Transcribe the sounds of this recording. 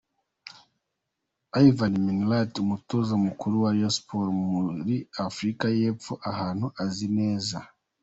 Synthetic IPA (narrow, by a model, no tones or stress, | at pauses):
aivanminlatumutozamukuɾuwaɾiaspoɾmuɾiafɾikaje̞ːpfoʔahaːn̥huʔazine̞ːza